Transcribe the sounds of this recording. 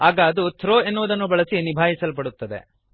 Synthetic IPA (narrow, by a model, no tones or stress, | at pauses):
aːɡaːd̪ut̪ʰɾoːe̞nːuʋɐd̪ɐnːubɐɭɐsinibʱaːɦisɐlp̬ɐɽut̪ːɐd̪e̞̰